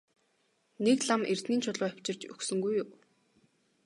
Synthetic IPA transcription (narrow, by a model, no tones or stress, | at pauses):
nekɮamʔer̥t̪niːnt͡ɕʰʊɮʊːæw̥ʲt͡ɕɪ̆rt͡ɕɵksɵ̆ŋɡujʊw